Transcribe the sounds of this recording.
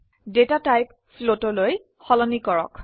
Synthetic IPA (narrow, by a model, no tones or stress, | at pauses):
detatajp̚ | flotɔloj | xɔlɔnikɔɹɔ̰k